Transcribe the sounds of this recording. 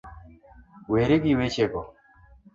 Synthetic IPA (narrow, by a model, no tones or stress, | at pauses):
weɾeɡiwet͡ʃekɔ